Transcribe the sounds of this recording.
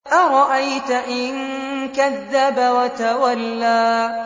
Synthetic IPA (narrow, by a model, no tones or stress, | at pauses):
ʔaɾˤɑʔajt̪aʔɪnkaðːabawat̪awalːaː